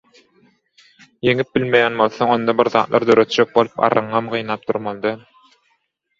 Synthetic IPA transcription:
jeŋip̚bilmejænbo̞lˠθoŋo̞nd̪ɑbiɾðɑ̰ːt̪lˠɑ̰ɾd̪øɾø̞t̪̚d͡ʒøk̚bolˠupɑ̰ɾɯɴʁɑmɢɯjnɑːp̚d̪uɾmɑlˠd̪ɑn

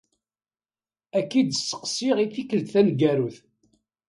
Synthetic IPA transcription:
ækːid̪əsːə̥qsiʁiθikəlt̪θænɡæɾuθ

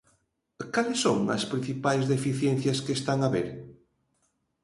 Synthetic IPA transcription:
kalesːoŋɐ̰spɾin̟θipajzðefiθjenθjɐskeːst̪aŋaβeɾ

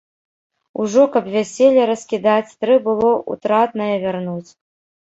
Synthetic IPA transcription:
uʐɔkɐpvʲasʲelʲːɐɾɐsʲkʲid̪at͡sʲt̪ɾɨbɨlˠɔʔṵt̪ɾat̪nɐjɐvʲarnut͡sʲ

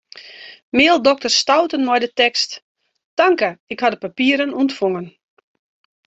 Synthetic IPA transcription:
mɪːəlˠdɔk̚tərstawtənmɔjdətɛkst | taŋkəɪkhadəpapiəɾənuəntfoŋən

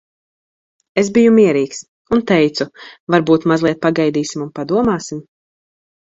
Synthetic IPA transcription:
ezbijumiɛɾiːks | unt̪ɛjt̪suvaɾbuːt̪mazlˠiɛt̪̚paɡajd̪iːsimunpad̪uɔmaːsim

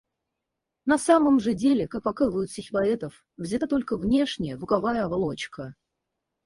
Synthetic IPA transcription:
nɐsaməmʐɨdʲelʲɪkak̚pɐkalˠʊjʊt̪sʲɪxʲɪpɐɛt̪əf | vzʲɪt̪at̪o̞lʲkəvnʲe̞ʂnʲɪjəbʊkɐvajəɐvlˠot͡ɕkʰə

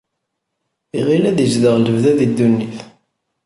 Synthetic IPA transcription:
iʁilæðəzðəʁləvðæðid̪ːunːiθ

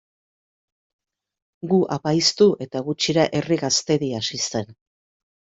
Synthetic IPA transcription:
ɡuʔapajst̪uʔe̞t̪aɣut͡ʃiɾaʔe̞riɣast̪e̞ɾiasise̞n

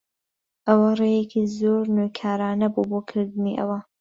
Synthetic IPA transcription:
ʔɐwɐrejekʰizoːɾnojkʰaːɾaːnɐbuːboːkʰɨɾd̪ɨniʔɐ̰wɐ

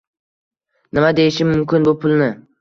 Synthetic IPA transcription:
nɪmad̪ejɪʃɪmmʊmkʲɪnbʊpʰʊlˠnɪ

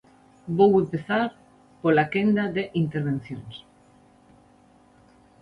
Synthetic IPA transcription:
bowempeθaɾ | polakend̪aðeʔint̪eɾβ̞en̟θjoŋs

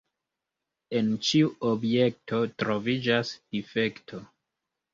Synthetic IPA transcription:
e̞nt͡ʃiuʔobjek̚tʰo̞tɾo̞vid͡ʒasd̥ife̞ktʰo̞

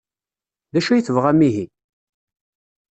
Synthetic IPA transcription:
ðæʃæjəθəvʁæmiɦi

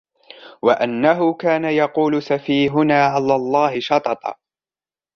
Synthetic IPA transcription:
waʔanːaɦʊkaːnajɑquːlʊsafiːɦʊnaːʕalalˤːɑːhɪʃɑt̪ˤɑt̪ˤɑ̰

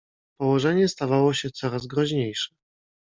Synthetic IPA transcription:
pɔwɔʐɛɲɛst̪avawɔɕɛt̪sɔɾazɡɾɔʑɲejʂɛ̥

